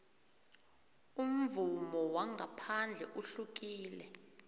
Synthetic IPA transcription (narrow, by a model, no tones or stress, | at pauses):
um̩vumɔwaŋʱapʰand͡ɮʱɛʔuɬuk̬ʼiːlɛ